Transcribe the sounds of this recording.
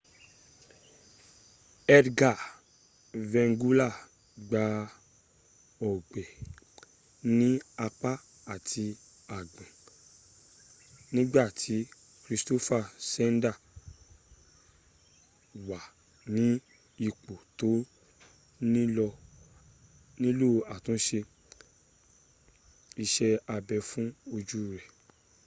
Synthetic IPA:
ɛ˧dɡa˦˨ | vɛ̃˧ŋɡu˦la˦˨ | ɡ͡ba˧ | ɔ˨ɡ͡bɛ˨ | nĩ˦a˧k͡pa˦ | a˨ti˧ | a˨ɡ͡bã˨ | nĩ˦ɡ͡ba˦˨tʰi˨˦ | kɾi˧sto˦fa˦˨sɛ˦n˦da˦˨ | wa˨ | nĩ˨˦ | i˦˨k͡po˨to˨˦ | nĩ˦ɔ˧ | nĩ˦lo˦a˨tũ˨˦ʃe˧ | i˧ʃɛ˧a˧bɛ˧˦fũ˦o˧d͡ʒu˦˨ɾɛ˨

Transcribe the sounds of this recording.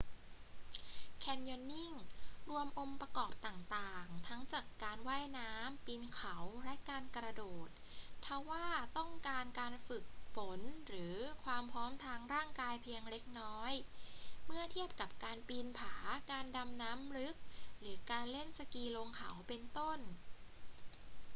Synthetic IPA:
kʰɛ˧mjɔ˧nːi˥˩ŋɾu˧əmʔo˧mpɾa˧kɔː˨˩p̚t̪aː˨˩ŋt̪aː˨˩ŋt̪ʰa˦˥ŋt͡ɕaː˨˩kːaː˧nwaː˥˩jnaː˦˥mpi˧nkʰa˨˩˦wlɛ˦˥ʔkaː˧nkɾa˧doː˨˩t̪̚ʰːa˧˥wːaː˥˩t̪ɔ˥˩ŋkaː˧nkaː˧nfɯ˨˩k̚fo˩˦nɾɯː˩˦kʰwaː˧mpʰɾɔː˦˥mt̪ʰaː˧ŋɾaː˥˩ŋkaː˧jpʰi˧əŋle˦˥k̚nɔː˦˥jmɯ˥˩ɐt̪ʰi˥˩əp̚ka˨˩p̚kaː˧npi˧npʰaː˩˦kaː˧nda˧mnaː˦˥mɾɯ˦˥k̚ɾɯː˩˦kaː˧nle˥˩nsa˧kiː˧lo˧ŋkʰa˩˦wpe˧nt̪o˥˩n

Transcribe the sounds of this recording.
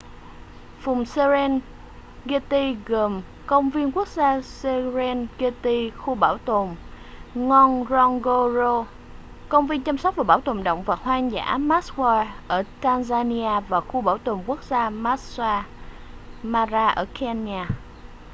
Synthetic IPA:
fʊ˨˩ŋ͡mse˧zɛ˧n | ɣe˧t̪i˧ɣə˨˩m | kə˧wŋ͡mvi˧ənku˦˥ək̚zaː˧se˧zɛ˧nɣe˧t̪i˧xu˧ɓaː˧˩wt̪o˨˩m | ŋɔ˧nzɔ˧ŋɣo˧zo˧ | kə˧wŋ͡mvi˧ənt͡ɕa˧msa˦˥t̚vaː˨˩ɓaː˧˩˦wt̪o˨˩mɗə̰˧˨wŋ͡mvaː˨˩hwaː˧ŋza̰ː˧˥maː˦˥tkwaː˧ʔəː˧˩t̪aː˧nzaː˧ni˧aː˧vaː˨˩xu˧ɓaː˧˩wt̪o˨˩mku˦˥ək̚zaː˧maː˦˥t̚swaː˧ | maː˧zaː˧ʔə̰ː˧˩kʰɛ˧naː˧

